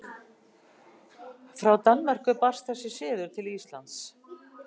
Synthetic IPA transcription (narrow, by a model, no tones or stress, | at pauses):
fɾawt̪anmar̥kʏparst̪̚θɛsːɪ̥sɪːðʏɾ̥t̪ʰɪlist̪la̰nt̪s